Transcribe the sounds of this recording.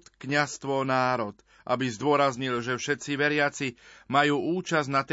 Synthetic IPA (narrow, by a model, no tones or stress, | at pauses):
t̪kɲast̪ʋɔnaːɾɔt̪ | ʔa̰bizd̪ʊɔɾazɲilʒɛfʃɛt̪t͡siʋɛɾɪat͡simajuːuːt͡ʃaznat̪